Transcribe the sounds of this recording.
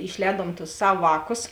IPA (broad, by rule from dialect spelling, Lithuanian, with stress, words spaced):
ɪʃʲˈlʲɛːduɔm tʊs ˈsɐw ˈʋɑːˌkʊs